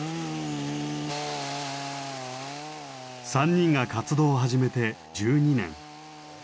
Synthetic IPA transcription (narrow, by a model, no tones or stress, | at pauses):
sãɲ̟ːĩŋɡakat͡sɨd̪o̞ːɦaʑime̞t̪e̞ | d͡ʑɨːɲ̟inẽ̞̰ŋ̃